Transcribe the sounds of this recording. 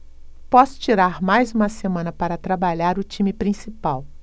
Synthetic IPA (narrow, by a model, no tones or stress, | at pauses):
pɔsʊ̥t͡ʃiɾaɾmajzũmɐsemɐ̃nɐpaɾɐt̪ɾabaʎaɾʊt͡ʃĩmipɾĩsipaw